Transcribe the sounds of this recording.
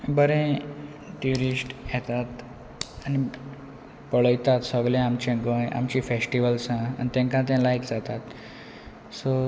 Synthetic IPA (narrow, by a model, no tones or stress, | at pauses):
bəɾẽ | ʈjuɾisʈjɛt̪at̪ | ani | pəɭəjt̪at̪səɡɭẽamt͡ɕẽɡə̃ja̰mt͡ɕiːfesʈiʋəlsãa̰nit̪ɛ̃ŋkãt̪̬ɛ̃lajkd͡zat̪at̪ | so